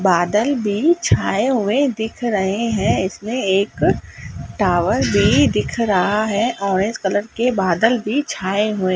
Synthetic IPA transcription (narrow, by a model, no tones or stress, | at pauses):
baːd̪əlbʱit͡ʃʰaːeɦʊẽd̪ɪkʰɾɐɦeɦɛ̃ɪsmẽeːk | ʈaːʋəɾbʱid̪ɪkʰɾɐɦaɦɛʔɔːɾẽːd͡ʒkələɾkebaːd̪əlbʱit͡ʃʰaːeɦʊẽː